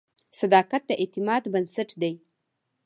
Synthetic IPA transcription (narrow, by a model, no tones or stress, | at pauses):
sad̪ɑkat̪̚d̪əʔet̪ɪmɑd̪bənsaʈd̪aj